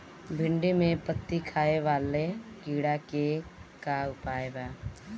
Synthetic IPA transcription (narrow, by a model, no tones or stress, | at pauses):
bʱɪɳɖimẽpət̪ːikʰaːeʋaːleɡiːɽakekaʊpaːebaː